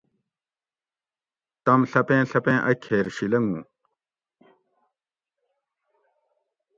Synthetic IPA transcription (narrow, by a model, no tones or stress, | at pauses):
t̪ɐmɬɐpẽːɬɐpẽːʔɐkʰːeːɾɕilɐŋɡṵ̃ː